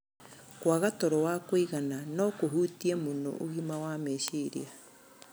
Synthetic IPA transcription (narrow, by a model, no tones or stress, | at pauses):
kwaɣatɔɾɔwakoiɣananɔkoɦuːtiɛmono̰ʔoɣimawameʃeɾḭa